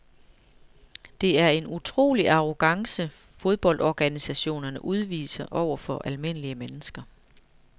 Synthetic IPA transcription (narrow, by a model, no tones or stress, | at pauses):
d̥e̝æɐe̝nut͡sʰʁo̝̰ːliʔɑ̈ʁo̝ɡ̥ɑ̈ŋsə | fo̝ð̞ˠb̥ɒ̽ld̥ɒɡ̥ænisæɕo̝̰ːnɐnəʔuð̞ˠʋḭːsɐʔɒʊ̰ɐfɒ̽ʔælme̝n̰əliəmenəsɡ̥ɐ